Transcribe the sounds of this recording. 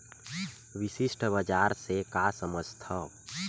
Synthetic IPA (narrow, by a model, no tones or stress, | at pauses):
ʋɪsɪʃʈʰbəd͡ʒaːɾsekasəməd͡ʒt̪ʰɔ